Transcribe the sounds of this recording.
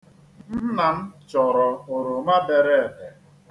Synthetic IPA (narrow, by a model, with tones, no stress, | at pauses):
n̩˦na˨n̩˦t͡ʃɔ˨ɾɔ˨o˨ɾo˨ma˦de˨ɾe˦e˨be˨